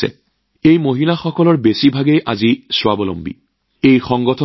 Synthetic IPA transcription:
ɛ̰ | ejmoɦilaxɔkɔlɔɹbesibʱaɡejʔazisʊwabɔlɔ̰mbḭ | ejxɔŋɡɔtʰɔ

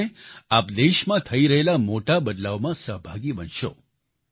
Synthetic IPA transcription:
eapd̪eʃmãt̪ʰəiɾəɦelamoʈabəd̪laʋmãsəɦbʱaɡibənʃo̰

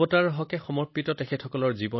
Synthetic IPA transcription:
ɔtaɹɦɔkɛxɔmɔɹpːitɔtekʰɛtʰɔkɔlɔɹzibɔ

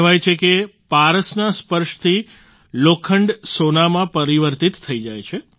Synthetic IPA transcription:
ʋajt͡ʃʰekepaɾəsnaspəɾʃt̪ʰi | lokʰəɳɖsonamãpəɾiʋəɾt̪it̪ʰːəid͡ʒajt͡ʃʰe

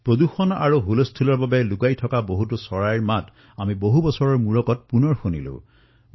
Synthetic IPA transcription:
pɹod̪uxɔna̰ɹuɦulɔst̪ʰulɔɹbabɛlukajtʰɔkaboɦutɔsɔɹaɹmat | amiboɦubɔsɔɹɔɹmuɹɔkɔt̚punɔɹxunḭlo̰

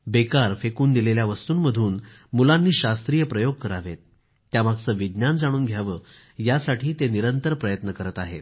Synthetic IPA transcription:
bekaɾfekuːnd̪ileljaʋəst̪uːnməd̪ʱuːn | mulanːiːɕast̪ɾijəpɾəjoɡ̚kəɾaʋet̪̚ː | jamaɡt͡səːʋid̪njand͡zaɽ̃uːnɡʱjaʋəː | jasaʈʰiːt̪eniɾənt̪əɾpɾəjət̪nəkəɾət̪aɦet̪̚

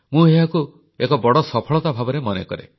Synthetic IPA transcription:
mũewaku | ekɔbɔɽɔsɔpʰɔɭɔt̪abʱabɔɾemɔnḛkɔ̰ɾḛ

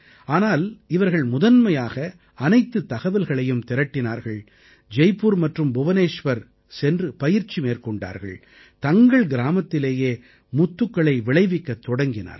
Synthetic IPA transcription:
aːnaːlɪʋɐɾɣɐɭmʊðɐnmɐjaːɣɐ | ɐnɐɪt̪ːɯt̪ːɐɣɐʋɪlɣɐɭɐjɯmt̪ɪɾɐʈːɪnaːɾɣɐɭ | d͡ʒɛɪpːuɾmɐʈrɯmbʊʋɐneːʂʋɐɾ | sɛndrɯpɐjɪɾt͡ʃːimeːrkɔɳɖa̰ːɾɣɐ̰ɭ | t̪ɐŋɡɐɭɡɪɾaːmɐt̪ːɪleːjeː | mʊt̪ːɯkːɐɭɐɪʋɪɭɐɪʋɪkːɐt̪ːɔɽɐŋɡɪna̰ːɾ

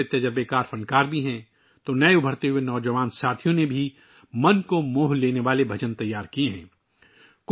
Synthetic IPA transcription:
et̪ɐd͡ʒəɾbekaːɾfɐ̃ɳɖkaːɾbʱiɦɛ̃ː | t̪onɐeʊbʱəɾt̪eɦʊenɔːd͡ʒəʋaːnsaːt̪ʰijõnebʱi | mɐnkomoːɦleːneʋaːlebʱɐd͡ʒənt̪ɐjːaːɾkieɦɛ̃ː | k

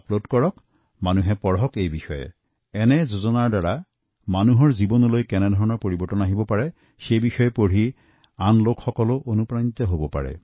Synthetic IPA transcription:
plodkɔɹɔk | manuɦɛpɔɹɦɔkejbixɔjɛ̰ | ɛnɛzozɔnaɹdaɹa | manuɦɔɹzibɔnɔlojkɛnɛdʱɔɹɔnɔɹpoɹibɔɹʈɔnaɦibɔpaɹɛ | xejbixɔjɛpoɹ̤i | anlokxɔkɔlʊʔonupɹanit̪ɔɦobɔpa̰ɹɛ̰

